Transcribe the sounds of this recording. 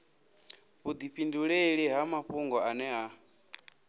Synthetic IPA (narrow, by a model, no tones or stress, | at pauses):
βud̪iɸinduɺeɺiɦamaɸuŋɡɔʔanɛɦa